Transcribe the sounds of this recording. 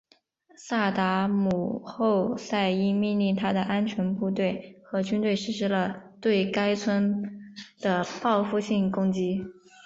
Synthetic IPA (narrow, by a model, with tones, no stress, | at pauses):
sa˥˩t̪a˧˥mu˨˩xo˥˧ʊsa˥˧ɪi˥˩mi˥˧nli˥˩ŋt̪ʰa˥d̪ə˨ʔa˥nt͡ɕʰɥɛ˧˥npu˥˧t̪̬we˥˩ɪxɤ˧˥t͡ɕy˥nt̪we˥˩ɪʂɻ̩˥ʂɻ̩˥lə˧t̪we˥˩ɪka˥ɪt͡sʰwə˥n | d̪̥ə˨pɑ˥˧ʊfu˥˧ɕi˥˩ŋkʊ˥ŋt͡ɕi˥